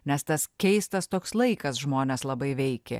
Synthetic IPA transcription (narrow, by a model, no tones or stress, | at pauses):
nʲɛst̪ɐskʲɛɪst̪ɐst̪oːkslˠɐɪkɐsʒmoːnʲeːslˠɐbɐɪʋʲɛɪkʲḛ